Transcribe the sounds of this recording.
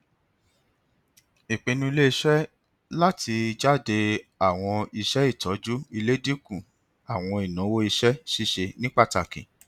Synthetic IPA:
i˨k͡pĩ˧nũ˧i˧le˦i˦˧ʃɛ˦ | la˦tʰi˧d͡ʒa˦˨de˧a˨w̃ɔ̃˧i˧ʃɛ˦i˦˨tɔ˨˦d͡ʒu˦i˧le˦di˦kũ˦˨ | a˨w̃ɔ̃˧i˨nũ˨˦wo˦i˧ʃɛ˦ʃi˦˨ʃe˧nĩ˦k͡pa˦˨ta˨kḭ̃˨

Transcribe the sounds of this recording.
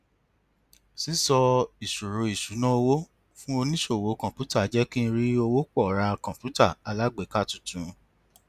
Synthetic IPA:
si˦sɔ˧i˨ʃu˨ɾo˨i˨ʃu˨˦nã˦o˧wo˦ | fũ˦o˧nĩ˦ʃo˦˨wo˨˦kɔ̃˨pju˦ta˦˨˦d͡ʒɛ˦kĩ˦˧ɾi˦o˧wo˦k͡pɔ˦˨ɾa˧kɔ̃˨pju˦ta˦˨a˧la˦ɡ͡be˨˦ka˦˨tũ̥˦tũ˨

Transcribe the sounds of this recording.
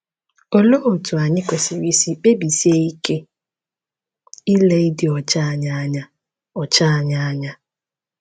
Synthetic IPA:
o˦lo˦o˨tu˨a˨ɲɪ˦kʷe˨si˨ɾi˦si˦k͡pe˦bi˨si˦e˦i˦ke˦ | i˦le˦dɪ˨ɔ˨t͡ʃa˦˨ɲa˦ɲa˦ | ɔ˨t͡ʃa˦a˨ɲa˦a˦ɲa˦

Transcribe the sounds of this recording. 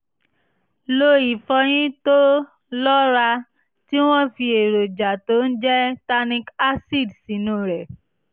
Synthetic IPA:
lo˧i˨fɔ˧j̃ĩ˦to˦ | lɔ˦ɾa˧ | ti˦w̃ɔ̃˦fi˧e˨ɾo˨d͡ʒa˨to˨˦n̩˦d͡ʒɛ˦ta˧nĩ˧ka˦si˦˨dsi˨nũ˦˨ɾɛ˨

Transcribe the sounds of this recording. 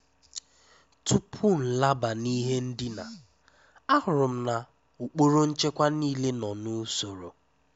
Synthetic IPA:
tu˦pʰʊ˦n̩˨la˦ba˨ni˦ɦe˦n̩˦dɪ˦na̰˨ | a˦ɦʊ˨ɾʊ˨m̩˦na˨ | u˨k͡po˦ɾo˦n̩˦t͡ʃe˦kʷa˦niː˦le˦nɔ˨nu˦so˨ɾo̰˨

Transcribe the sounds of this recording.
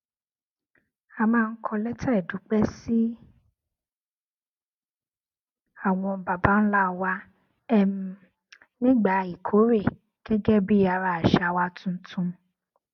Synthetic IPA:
a˧mãː˧n̩˦kʰɔ˧lɛ˦tʰa˦ɛ˨du˨˦k͡pɛ˦si˦ | a˦˨w̃ɔ̃˧ba˨ba˨˦n̩˦la˦˨wa˦ | ɛ˦m˧ | nĩ˦ɡ͡ba˦˨i˨kʰo˨˦ɾe˦˨ | ɡ̥ɛ˦ɡɛ˦bi˦a˧ɾa˧˦˨a˨ʃa˨wa˦tũ˦n̩˦tũ˧

